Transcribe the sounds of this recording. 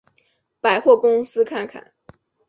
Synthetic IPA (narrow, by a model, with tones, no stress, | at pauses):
pa˨˩ɪxwɔ˥˩kʊ˥ŋsɹ̩˥kʰa˥˩nkʰa̰˨˩˦n